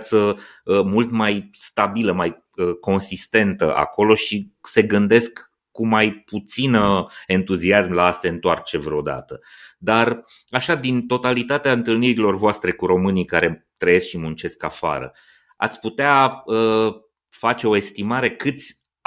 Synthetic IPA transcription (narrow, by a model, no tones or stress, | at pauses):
t̪sə | mult̪majst̪abiləmaj | əko̞nsist̪e̞nt̪əʔa̰ko̞lo̞ʃise̞ɡɨnd̪e̞skː | umajput̪sinəe̞nt̪uziasmlaːse̞ɨnt̪oart͡ʃe̞vɾeod̪a̰t̪əd̪ar | aʃad̪int̪o̞t̪alit̪at̪eaɨnt̪ɨlniɾilo̞rvoast̪ɾe̞kuɾo̞mɨnikaɾe̞ | t̪ɾəje̞skʃimunt͡ʃe̞ska̰fa̰ɾə̰ | a̰t̪sʲput̪eaə | fat͡ʃe̞o̞e̞st̪imaɾe̞kɨt̪sʲ